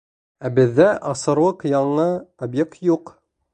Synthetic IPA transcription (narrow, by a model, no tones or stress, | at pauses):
æbɘ̆ðːæʔɑsɤ̆ɾwˠɤqjɑɴɤobjek̚t̪juq